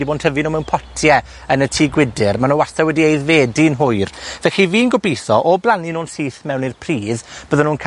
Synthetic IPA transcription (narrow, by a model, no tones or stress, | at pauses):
diboːnd̥ʰɛvɨnuːmɛwnpʰɔtʰjɛ | ənətʰiːɡwɪdɪrmanuwasɛwɛdiejðveːdɪnɦʊjrvɛxiviːnɡɔbijθɔʔɔblˠaninuːnsiːθmɛwnirpʰriːðb̥əðɔnuːnkʰ